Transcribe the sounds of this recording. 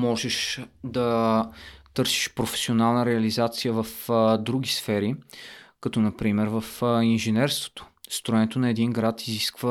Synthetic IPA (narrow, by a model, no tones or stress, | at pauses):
mɔʒɛʃd̪ɐ | t̪ɤɾsi̥ʃpɾofɛ̥sionalˠnəɾɛɐlizat̪sijəvɐfd̪ɾuɡ̟ʲisfɛɾikɐt̪ɔnɐpɾimɛɾvɐfinʒɛnɛɾst̪vo̥t̪o̥st̪ɾʊɛnɛt̪onɐɛd̪iŋɡɾat̪iziskvə